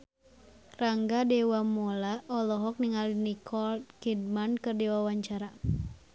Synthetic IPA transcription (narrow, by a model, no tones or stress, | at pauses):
raŋɡadɛwamɔlaʔɔlɔɦɔk̚niŋalinikʰɔlt̪̚kid̚mankɨrdɛwawaɲt͡ʃaɾa